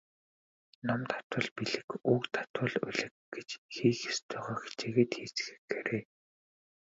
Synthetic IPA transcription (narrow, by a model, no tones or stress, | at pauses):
nɔmt̪ʰḁt̪wə̆ɮpiɮɘ̆kuːkt̪ʰḁt̪wə̆ɮʊ̰ɮɘ̆kɡet͡ɕxiːxast̪ʰœːʁœːxe̥t͡ɕeːɣeːt̪xiːt͡sxɘ̥̆kːeɾeː